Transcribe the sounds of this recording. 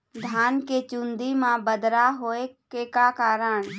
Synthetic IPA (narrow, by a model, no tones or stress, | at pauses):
d̪ʱaːnket͡ʃʊ̃nd̪imãbəd̪ɾaɦoːekekakaːɾəɳ̃